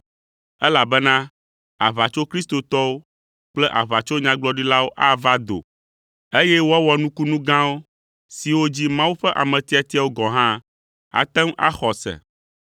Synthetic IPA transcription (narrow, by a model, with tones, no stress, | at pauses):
ɛ˦la˨bɛ˦nã˦ | a˨βa˨t͡ʃo˦kɾi˦st̪o˨t̪ɔ˦wo˦ | k͡plɛ˦ʔa˨βa˨t͡ʃo˦ɲã˦ɡ͡blɔ˨ɖi˦la˦wo˦ʔa˦va˦d̪o̰˨ | e˦jɛ˦wo˦a˦wɔ˨˦nũ˦ku˦nũ˦ɡã˦wo˦ | si˨wo˦d͡ʑi˦mã˦wu˦ɸɛ˦ʔa̰˨mɛ̃˨t̪i˦a˨t̪i˦a˨wo˦ɡɔ˨ɦã˦ | a̰˨t̪ɛ˦ma̰˦xɔ˨sɛ̰˨